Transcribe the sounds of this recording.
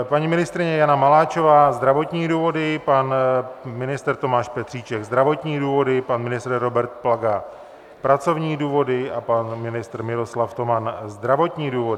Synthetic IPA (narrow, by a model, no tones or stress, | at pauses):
paɲimɪnɪst̪ɾɪɲɛjanamalaːt͡ʃo̞vaːzd̪ɾavo̞t̪ɲiːduːvo̞dɪpanmɪnɪst̪ɛɾt̪o̞maːʃpɛt̪r̥iːt͡ʃɛɡzd̪ɾavo̞t̪ɲiːduːvo̞dɪpanmɪnɪst̪ɾɾo̞bɛɾt̪̚plaɡa | pɾat͡so̞vɲiːduːvo̞dɪʔapanmɪnɪst̪ɾmɪɾo̞slaft̪o̞manzd̪ɾavo̞t̪ɲiːduːvodɪ